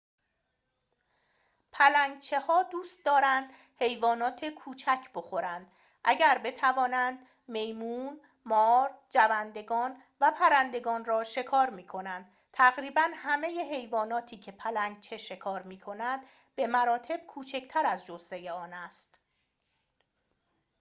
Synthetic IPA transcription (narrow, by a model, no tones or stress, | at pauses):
pʰælæŋɡt͡ʃʰe̞hɒːd̪uːst̪̚d̪ɒːɾænd̪̥ | he̞jvɒːnɒːt̪ʰekʰuːt͡ʃʰæcʰb̥o̞xo̞ɾænd̪̥ | ʔæɟæɾbe̞t̪ʰævɒːnænd̪ | me̞jmuːn | mɒːɾd͡ʒævænd̪e̞ɡɒːn | væpʰæɾænd̪e̞ɡɒːnrɒːʃe̞kʰɒːɾmiːkʰo̞nænd̪̥̚ | t̪ʰæɣɾiːbænhæme̞jeɦe̞jvɒːnɒːt̪ʰiːcʰe̞pʰælæŋɡ̚t͡ʃʰe̞ʃe̞kʰɒːɾmiːkʰo̞nænd̪̥ | b̥e̞mæɾɒːt̪ʰe̞b̥̚kʰuːt͡ʃʰe̞cʰt̪ʰæɾæzd͡ʒose̞jeɒːnæst̪